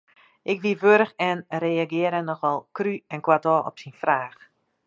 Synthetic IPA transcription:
ʔɪkʋiʋøɾəxɛnreːaɡɪəɾənɔχɔlˠkryɛnkwadɔːɔ̰psinfraːx

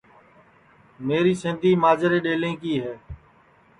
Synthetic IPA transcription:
meːɾiːsɪ̃ːnd̪iːmaːd͡ʒəɾeːɗeːlẽːkiːɦɛː

